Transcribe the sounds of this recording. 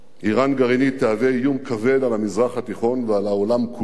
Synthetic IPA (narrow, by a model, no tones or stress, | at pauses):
ʔiʁanɡaʁinit̪eave̞jumkave̞d̪alamizʁaχhat̪iχo̞nvealaolamkʰu